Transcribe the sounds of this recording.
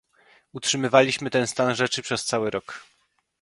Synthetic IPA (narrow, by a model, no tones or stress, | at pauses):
utʂɘmɘvalʲiɕmɘt̪ɛnst̪anʐɛt͡ʂɘpʂɛst̪sawɘɾʔɔk